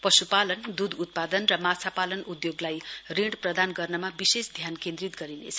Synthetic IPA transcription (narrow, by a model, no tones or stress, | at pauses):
pʌsupalʌnd̪ud̪ut̪̚pad̪ʌnrʌmat͡sʰapalʌnʔud̪joɡlajriɽprʌd̪anɡʌrnʌmabisesd̪ʱjankẽnd̪rit̪ɡʌɾinḛt͡sʰʌ